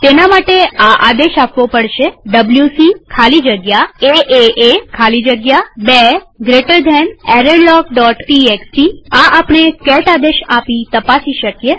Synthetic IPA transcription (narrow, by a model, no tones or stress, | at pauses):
t̪enamaʈeaʔad̪eʃapʋopəɽʃeɖəbljusikʰalid͡ʒəɡjaeʔeʔekʰalid͡ʒəɡjabeɡɾeʈəɾd̪ʱɛnɛɾəɳɖlɔkɖɔʈʈiekʈiaʔapɳekɛʈad̪eʃapit̪əpasiʃəkje